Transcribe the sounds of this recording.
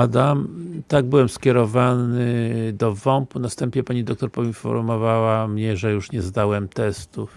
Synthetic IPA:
ad̪amt̪aɡ̚bɘwɛmskʲjɛɾɔvanɘd̪ɔvɔmpunast̪ɛmpɲɛpaɲid̪ɔk̚t̪ɔɾpɔinfɔ̰ɾmɔvawamɲɛʐɛjuʂɲɛzd̪awɛmt̪ɛst̪uf

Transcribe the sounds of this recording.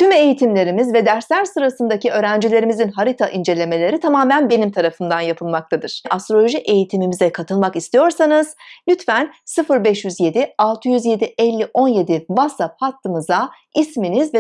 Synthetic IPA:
t̪ʰyme̞jit̪ʰimlʲe̞ɾimizvɛd̪æɾslʲæɾsɯɾasɯnd̪aciø̞ːɾænd͡ʒilʲe̞ɾimizinɦaɾit̪ʰaʔind͡ʒe̞lʲe̞me̞lʲe̞ɾit̪ʰamaːmænbe̞nimt̪ʰaɾafɯnd̪anjapʰɯlˠmak̚t̪ʰad̪ɯɾ̥ʔast̪ɾolʲo̞ʒiʔe̞jit̪ʰimimizɛkʰat̪ʰɯlˠmakist̪ʰijo̞ɾsanɯz̥lʲyt̪fænsɯfɯɾbɛʃjyzje̞d̪ialˠt̪ʰɯjyzje̞d̪iʔɛlʲːiʔo̞nje̞d̪ivasap̚hat̪ʰːɯmɯza | isminizvɛ

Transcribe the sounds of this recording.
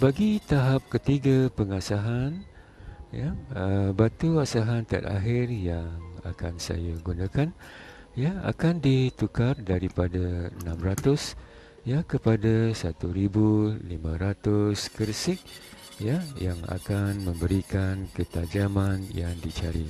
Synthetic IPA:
baɡit̪aɦap̚kət̪iɡapəŋasaɦan | jaəbat̪uasaɦant̪a̰t̪a̰ɦɪrjaŋa̰kansa̰jaɡunãkan | jaa̰kandit̪ukardaɾipadaənãmrat̪ʊs | jakəpadasat̪uɾibulimãɾat̪ʊskərsɪk̚ | jajaŋa̰kanmə̃mbəɾikankət̪ad͡ʒamanjaŋdit͡ʃaɾḭ

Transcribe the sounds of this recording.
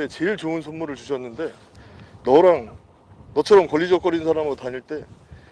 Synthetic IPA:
et͡ɕe̞ɭt͡ɕoɯnsʰʌnmuɾɯɭt͡ɕuɕʰʌnːɯnde̞ | nʌɾaŋ | nʌt͡ɕʰʌɾʌmkʌʎːid͡ʑʌk͈ʌɾinsʰaɾamɯtaɲiɭt͈e̞

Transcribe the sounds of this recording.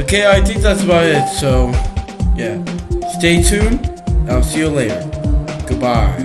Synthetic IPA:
oʊkʰeɪaɪθɪ̃ŋk̚ðætsəbaʊɾɪtsoʊ | jæsteɪtʰʉ̃naɪlˠsijə˞leɪɾə̰˞ɡ̥ʊd̚baɪ

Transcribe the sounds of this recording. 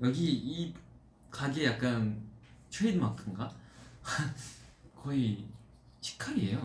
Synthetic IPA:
jʌɡiː | kaɡejak̚k͈ant͡ɕʰweidɯmakʰɯŋɡa | kʌi | t͡ɕʰi̥kʰaɾie̞jo

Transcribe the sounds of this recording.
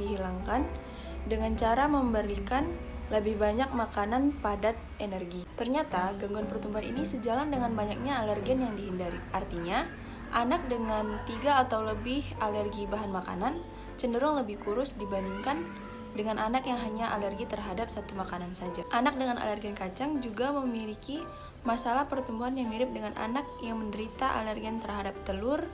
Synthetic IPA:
iɦilaŋkan | dəŋant͡ʃaɾaməmbəɾikan | ləbɪhbaɲak̚makananpadat̪̚enɛrɡit̪ərɲat̪aɡəŋɡɔnpərt̪umbaḭnisəd͡ʒalandəŋanbaɲak̚ɲaːlərɡiənjaŋdiɦindaɾiʔart̪iɲa | ʔanak̚dəŋant̪iɡaːt̪awləbɪhalərɡibaɦanmaka̰nan | t͡ʃəndəɾɔŋləbɪhkuɾʊsdibandiŋkan | dəŋanʔanakjaŋɦaɲaʔalərɡit̪ərɦadap̚sat̪umakanansad͡ʒaʔanak̚dəŋanʔa̰lərɡiankat͡ʃaŋd͡ʒuɡaməmiliki | masalahpərt̪umbuɦanjaŋmiɾɪp̚dəŋana̰nak̚jaŋməndəɾit̪aʔa̰lərɡiant̪ərɦadap̚t̪əlʊr

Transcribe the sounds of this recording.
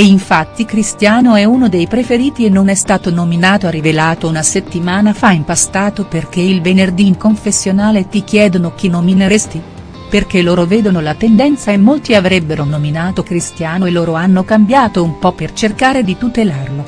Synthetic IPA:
eiɱfat̪ːikɾist̪jaːnoɛunod̪ejpɾefeɾiːt̪ienːonɛst̪aːt̪onominaːt̪oarivelaːt̪ounaset̪ːimaːnafaimpast̪aːt̪operk̟eilvenerd̪iŋkoɱfesːjonaːlet̪ikjɛːd̪onok̟inːomineɾest̪i | perk̟eloːɾovɛːd̪onolat̪end̪ɛnt̪saemːolt̪iavɾɛbːeɾonominaːt̪okɾist̪jaːnoelːoːɾoanːokambjaːt̪oumpɔpːert͡ʃerkaːɾed̪it̪ut̪elarlo

